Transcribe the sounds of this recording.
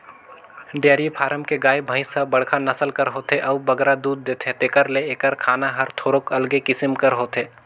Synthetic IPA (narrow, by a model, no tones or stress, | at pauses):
ɖjaːɾipʰaːɾəmkeɡaːjbʱə̃ɪ̃sɐbɐɽkʰanɐsəlkəɾɦoːt̪eʔɐʋbɐɡɾad̪uːd̪̚ːeːt̪ʰet̪eːkəɾleeːkəɾkʰaːnaɦɐɾt̪ʰoːɾokɐlɡekɪsɪmkəɾɦoːt̪eː